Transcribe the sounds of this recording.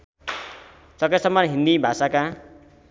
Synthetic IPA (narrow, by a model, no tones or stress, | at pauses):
t͡sʌkasʌmːʌnɦĩnd̪ibʱasaka